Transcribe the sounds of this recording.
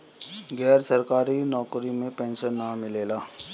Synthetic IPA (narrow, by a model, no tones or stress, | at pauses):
ɡɛːɾsɐɾkaːɾinɔːkɾimẽpɛ̃ːnsənːamɪleːlaː